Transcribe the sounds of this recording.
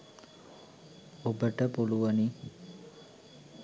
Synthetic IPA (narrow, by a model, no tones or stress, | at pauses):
obəʈəpuluʋani